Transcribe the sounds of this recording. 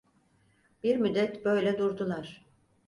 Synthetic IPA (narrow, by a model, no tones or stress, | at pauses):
b̥iɾmyd̪ːɛt̪bø̞jlʲɛd̪uɾd̪ulˠaɾ̥